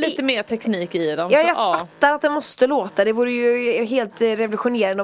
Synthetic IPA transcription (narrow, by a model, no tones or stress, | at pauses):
liːt̪əmeːʈ̪ʰɛkniːkɪd̪ɛmjɑːjɑɡfatt̪ːaɾat̪̚d̪ɛnmɔst̪əloːt̪ad̪ɛvuːɾəjɵɦeːlt̪ɾɛvʊlɵɧʊneːɾan